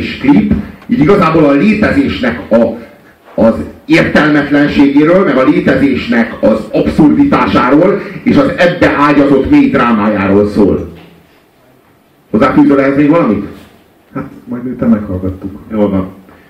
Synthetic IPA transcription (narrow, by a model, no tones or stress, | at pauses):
ʃklipːidiɡɒzaːboːlɒleːt̪ɛzeːʃnɛkɒ | ɒzeːrt̪ɛlmɛt̪lɛnʃeːɡeːɾøːlmɛɡɒleːt̪ɛzeːʃnɛkɒzɒpsurd̪it̪aːʃaːɾoːleːʃɒzɛbːɛʔaːɟɒzo̞t̪meːjd̪raːmaːjaːɾoːlso̰ːl | hozːaːfyːzøːlɛɦɛzmeːɡʋɒlɒmit̪ | hat̪mɒjd̪miːt̪ːɛmːɛkhɒlɡɒt̪ːukjoːlvɒn